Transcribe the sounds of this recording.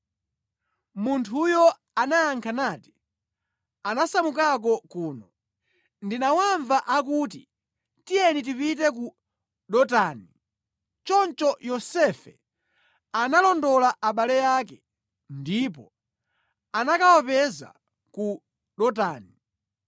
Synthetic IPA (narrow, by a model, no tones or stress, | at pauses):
muntʰujɔ | anajaŋkʰanaːti | anasamukak̬ɔkuːnɔ | ndinawaɱvaʔakuːt̬i | tijɛnit̬ipitɛku | ɗɔtani | t͡ʃɔnt͡ʃɔjɔsɛfɛ̰ | analɔndɔlaʔaɓalɛjaːkɛ | ndip̬ɔ | anakawɔpɛza̰ | ku | ɗɔta̰ːni